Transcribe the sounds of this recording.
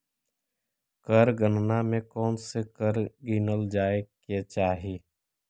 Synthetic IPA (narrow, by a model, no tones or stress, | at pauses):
kəɾɡənnamẽkɔːnsekəɾɡiːnəld͡ʒaːeket͡ʃaːɦieː